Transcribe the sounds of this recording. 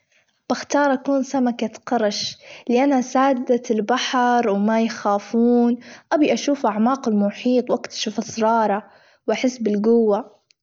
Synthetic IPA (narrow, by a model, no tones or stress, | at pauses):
b̥ɪxt̪ɑːɾˤʔakuːnsamakaqɑɾˤɑʃlɪʔanasaːd̪d̪aɪlbaħɾˤwmajxaːfuːnʔabiʔaʃuːfʔaʕmɑːqɪlmʊħiːt̪ˤwʔakt̪ḁʃafʔɑsˤɾˤɑːɾˤɑ | wʔaħɪsːbɪlɡʊwːa